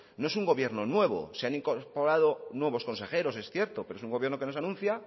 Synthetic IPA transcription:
no̞e̞suŋɡo̞βje̞ɾno̞nwe̞β̞o̰seaniŋkoɾpoɾaðo̞nwe̞βo̞sko̞nse̞xe̞ɾo̞se̞sθje̞ɾt̪opeɾoesuŋɡo̞βjɾnoke̞nosanũnθja

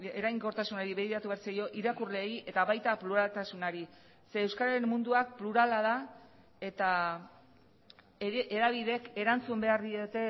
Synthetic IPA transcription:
eɾajŋko̞ɾt̪asunaɾiβeðiɾat̪uβaɾsajo̞ʔiɾakurle̞ːjʔe̞t̪aβajt̪apluɾalt̪asunaɾi | seːewskaɾaɾenmːund̪uak̚pluɾalað̞a | e̞t̪a | eɾaβ̞iðe̞ke̞ɾant͡sumbe̞aɾðiot̪e̞

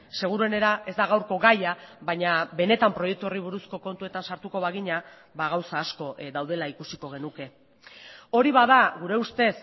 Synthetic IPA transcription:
se̞ɣ̞uɾue̞ne̞ɾaʔe̞zd̪aɣawɾko̞ɣajaβaɲaβe̞ne̞t̪ampɾo̞je̞k̚t̪uoriβ̞uɾusko̞ko̞nt̪ue̞t̪ansaɾt̪uko̞βaɣiɲa | βaɣ̞awsaːsko̞ʔðawðe̞laikusiko̞ɣ̞e̞nuke̞ | o̞ɾiβaðaɣuɾe̞ust̪e̞s

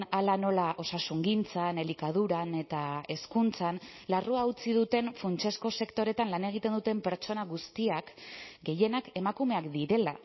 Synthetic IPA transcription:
alano̞laʔo̞sasuŋɡint͡sane̞likað̞uɾane̞t̪ae̞skunt͡san | laruaut͡sið̞ut̪e̞nfunt͡ʃe̞sko̞se̞kt̪o̞ɾe̞t̪anlane̞ɣ̞it̪e̞nd̪ut̪e̞mpe̞ɾt͡ʃo̞naɣust̪iakɡe̞je̞nake̞makume̞akd̪iɾe̞la̰

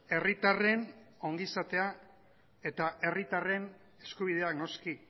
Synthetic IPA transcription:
e̞rit̪are̞no̞ŋɡisat̪e̞a | e̞t̪aʔe̞rit̪are̞n | e̞skuβ̞ið̞e̞akno̞ski

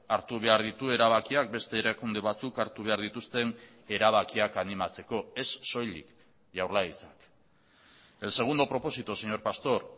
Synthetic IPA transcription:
aɾt̪uβ̞e̞aɾðit̪ue̞ɾaβ̞akiak̚be̞st̪e̞ːɾakund̪e̞βat͡sukaɾt̪uβ̞e̞aɾðit̪ust̪e̞n | e̞ɾaβ̞akiakanimat͡se̞ko̞e̞sːo̞jlḭk | ʝawɾlait͡sak | e̞lse̞ɣ̞und̪o̞pɾo̞po̞sit̪ose̞ɲo̞ɾpast̪o̞ɾ

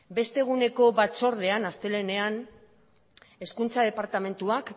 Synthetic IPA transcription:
be̞st̪e̞ɣ̞une̞ko̞βat͡so̞ɾð̞e̞anast̪e̞le̞ne̞an | e̞skunt͡sað̞e̞paɾt̪ame̞nt̪uak

